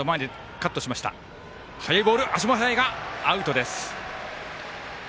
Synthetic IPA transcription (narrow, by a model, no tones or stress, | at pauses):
omaed̪i | kat̪ːoɕimaɕi̥t̪a̰ | hajaibo̞ːɾɯ̟ʔaɕ̬imasaeɡaːɯ̟t̪o̞d̪e̞sɨ̥